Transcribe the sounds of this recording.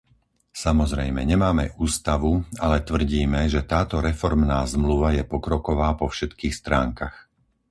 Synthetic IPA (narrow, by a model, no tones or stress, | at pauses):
samɔzɾɛjmɛ̰ɲɛmaːmɛ̰ʔuːst̪aʋualɛt̪ʋr̩ɟiːmɛʒɛt̪aːt̪ɔɾɛfɔɾmnaːzmluʋajɛpɔkɾɔkɔʋaːpɔfʃɛt̪kiːxst̪ɾaːŋkax